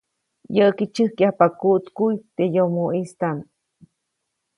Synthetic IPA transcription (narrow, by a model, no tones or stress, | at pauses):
jəkit͡ʃɨhkjahpakut̪kujt̪ejomoʔist̪am